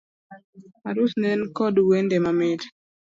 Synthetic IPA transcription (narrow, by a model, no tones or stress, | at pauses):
aɾusnɛnkɔdwendemamɪt